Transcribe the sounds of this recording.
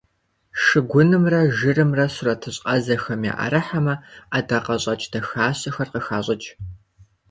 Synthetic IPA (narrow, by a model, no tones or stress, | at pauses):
ʂɨɡʷʊnɨmrɐʒɨrɨmrɐɕʊrɐtʰɨɕʼqɐzɐxɐmja̰ːʔɐ̰ɾɐħamɐadaqɐɕʼɐt͡ʃʼtʰɐxaːɕʼɐxɐrqəxaːɕʼɐt͡ʃʼ